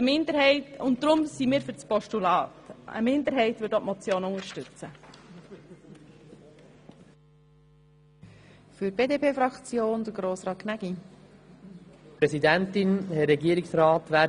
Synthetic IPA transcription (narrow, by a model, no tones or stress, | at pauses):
əmɪnd̪əɾɦɛɪtʊntdɾʊmsimiːɾfyɾt͡spɔʃtulɑːtə̰mɪnd̪əɾɦɛɪtʋʏtɔpmɔt͡sjoːnʊŋəɾʃtʉt͡sə | fyɾb̥eːdeːpʰeːfɾɑkt͡sjoːnd̪əɡɾoːsʁɑːt̚kʰnæɡ̥i | pɾɛsidæntɪnhɛɾɛɡiəɾɪksɾɑːt̪ʋæː